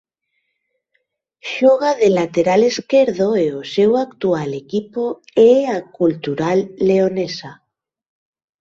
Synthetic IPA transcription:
ʃoɣ̞aðelat̪eɾaleskeɾðoeosewakt̪ualekipoeakult̪uɾalːeonesa

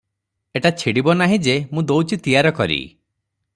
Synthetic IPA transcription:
eʈat͡ʃʰiɽibɔnaɦĩd͡ʒemũd̪owt͡ʃʰit̪ijaɾɔkɔɾḭ

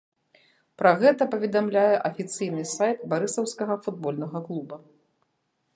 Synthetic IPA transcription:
pɾɐɣɛt̪ɐpɐvʲɛd̪amlʲajɛʔɐfʲit̪sɨjnɨsajt̪̚baɾɨsɐwskɐɣɐfud̪̚bɔlʲnɐɣɐklˠubɐ

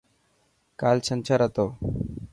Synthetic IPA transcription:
kalsənt͡ɕaɾət̪o

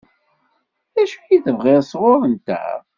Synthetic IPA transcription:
æʃujiθəvʁɪɾsʁʊɾənt̪æ̰

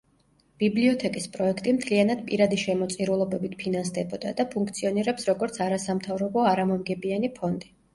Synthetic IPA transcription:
b̥ibliɔt̪ʰɛkʼispʼɾɔɛkʰt̪ʼimt̪ʰlianad̪pʼiɾad̪iʃɛmɔt̪sʼiɾulˠɔbɛbit̪̚ʰpʰinansd̪ɛbɔd̪a̰d̪apʰuŋkʰt̪sʰiɔniɾɛpsɾɔɡɔɾt̪sʰaɾasamt̪ʰavɾɔbɔaɾamɔmɡɛbianipʰɔnd̪i

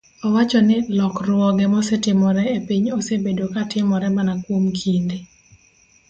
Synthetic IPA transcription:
ɔwat͡ʃɔnɪlɔkrwɔɡɛmɔsetɪmɔɾɛepiɲosebedokatɪmɔɾɛmanakwomkʰind̪ɪ

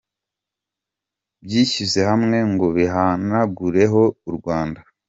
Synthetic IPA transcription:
bjiːize̞hamŋe̞ŋɡo̞βiɦanaɡuɾe̞ɦo̞uɾɡwaːnda

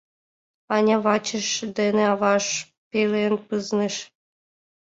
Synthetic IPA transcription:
ɑnʲɑβɑt͡ɕəʃd̪eneɑβɑʃ | pelenpɯzneʃ

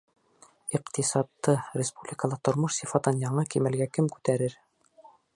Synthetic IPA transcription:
iqt̪isɑt̪ːɤɾʲɪspublʲɪkəlˠɑt̪ŏɾmoʃsʲifɑt̪ɤnjɑɴɑkimæ̆lɡækɘmkʉ̥t̪æɾɘɾ

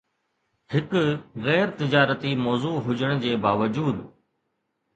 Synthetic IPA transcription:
hɪkɣɛːɾt̪ɪd͡ʑaːɾət̪iːmɔːzuːɦʊd͡ʑəɽ̃d͡ʑeːbaːʋəd͡ʑuːd̪

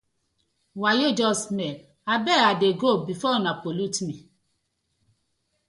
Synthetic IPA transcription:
wajed͡ʒɔsmɛ̃ | abɛadeɡobifɔnãpolutimĩ

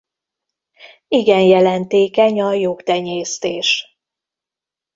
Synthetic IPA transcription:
iɡɛnjɛlɛnt̪eːkɛɲɒjokt̪ɛɲeːst̪eːʃ

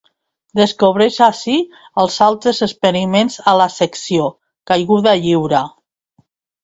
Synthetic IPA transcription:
d̪əskoβ̞ɾeʃasi | əlˠzalˠt̪ɾəzəspəɾimenzalasəksio | kajɣuðaʎiwɾa

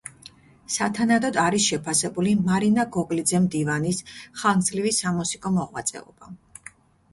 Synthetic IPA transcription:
sat̪ʰanad̪ɔd̪aɾisʃɛpʰasɛbulimaɾinaɡɔkʼlid̪zɛmd̪ivanisχalˠnzlivisamɔsikʼɔmɔʁwa̰t̪sʼɛ̰ɔ̰b̥a

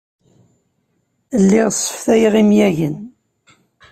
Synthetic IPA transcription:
əlːiʁsˤːə̥fθæjʁimjæʝən

